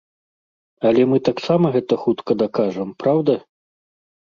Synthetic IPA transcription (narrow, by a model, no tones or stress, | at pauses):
ɐlʲɛmɨt̪aksamɐɣɛt̪ɐxut̪kɐd̪akaʐɐmpɾawd̪ɐ